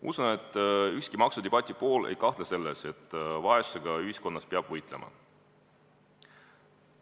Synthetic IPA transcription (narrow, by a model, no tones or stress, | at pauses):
ʔṵsune̞t̪ːˑyhskimɑksud̪̥eb̥ɑt̪ʲːˑipo̞ːlḛjkɑht̪lese̞lːese̞t̪ːˑvɑe̞su̥se̞ɡ̥ɑyɦisko̞nːɑspeɑb̥vɤjt̪ˑle̞mɑ̰